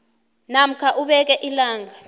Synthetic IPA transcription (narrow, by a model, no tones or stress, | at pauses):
nam̩kʰaʔuɓɛk̬ɛʔilaːŋa